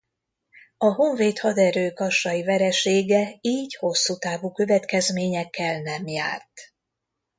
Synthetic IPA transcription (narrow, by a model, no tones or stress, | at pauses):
ɒɦo̞ɱveːt̪hɒd̪ɛɾøːkɒʃːɒjivɛɾɛʃeːɡɛiːɟho̞sːut̪aːvukø̞vɛt̪kɛzmeːɲɛkːɛlnɛmja̰ːrt̪